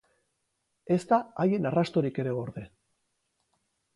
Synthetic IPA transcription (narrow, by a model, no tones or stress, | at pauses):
e̞st̪aaje̞narast̪o̞ɾike̞ɾe̞o̞ɾðe̞